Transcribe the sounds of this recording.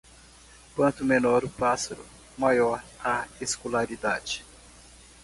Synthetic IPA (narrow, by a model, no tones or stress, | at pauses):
kwɐ̃nt̪ʊmenɔɾʊpasaɾʊ̰ | majɔɾaeskolaɾid̪ad͡ʒɪ̥